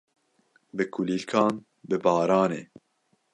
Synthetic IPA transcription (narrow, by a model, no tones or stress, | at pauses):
bɨkʰulilkʰɑːn | bɨbɑːɾɑːneː